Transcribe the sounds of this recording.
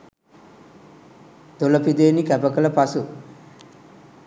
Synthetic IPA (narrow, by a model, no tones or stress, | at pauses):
d̪olɐpid̪eːnikɛpɐkɐlɐpɐsu